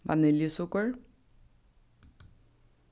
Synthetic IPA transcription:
ʋæ̰nɪljʊsʊkəɹ

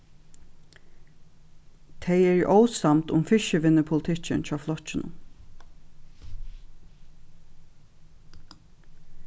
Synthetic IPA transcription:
t̪ʰɛɪɛɹoːwsamt̪ʊmfɪʃəʋɪnːəpʰʊlt̪ʰɪt͡ʃə̰nt͡ʃʰɑːflɔt͡ʃːɪnʊ̰m

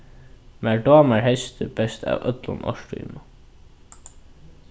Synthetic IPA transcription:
mæɹɖɔːmaɹhɛst̪ʰʏbɛst̪ʰa̰wœt̪lʊnɔ̰ʃʈṵnʊ

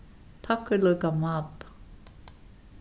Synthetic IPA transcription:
t̪ʰakːʏlœɥkamaːt̪ḁ

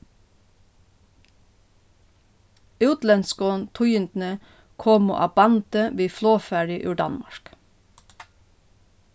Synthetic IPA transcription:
ʉːt̪lɛnskoːnt̪ʰʊʏənd̪n̩ə | kʰoːmo̰ːʔɑbɑnt̪əʋiːfloːfæɹɪʔʉ̰ːɖɑ̰nmɑ̰ʃk

